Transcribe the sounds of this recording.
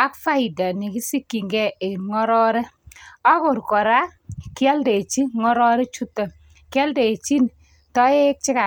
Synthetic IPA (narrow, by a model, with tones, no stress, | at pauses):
a˦kfa˦i˨da˨ni˨ki˦si˦kːi˨ŋɡɛ˦˨ʔe˨ŋɔ˦ɾɔ˦ɾɛ˦a˦ko˨ɾkɔ˨ɾa˦ki˦a˦lde˨t͡ʃi˦ŋɔ˦ɾɔ˦ɾɛ˦t͡ʃu˦tːɔ˨ | kjɛ˦lde˨t͡ʃi˦n | tɔ˦e˦k̚t͡ʃi˦ka˨